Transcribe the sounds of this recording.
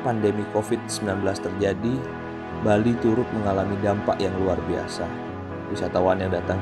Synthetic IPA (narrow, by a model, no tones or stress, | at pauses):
pandemikofɪt̪̚səmbilanbəlast̪ərd͡ʒadi | balit̪uɾʊt̪̚məŋalamidampaʔjaŋluarbia̰sa | wisat̪awanjaŋdat̪aŋ